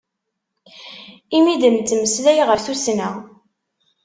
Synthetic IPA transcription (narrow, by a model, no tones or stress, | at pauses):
imid̪əmt̪ːməslæjʁəɾθusnæ